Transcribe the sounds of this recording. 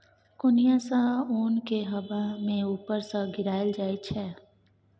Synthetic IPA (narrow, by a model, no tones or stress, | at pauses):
kʊnijãsauːnkeɦɐbamẽuːpəɾsaɡɪɾaːəld͡ʒaːit͡ʃʰɛː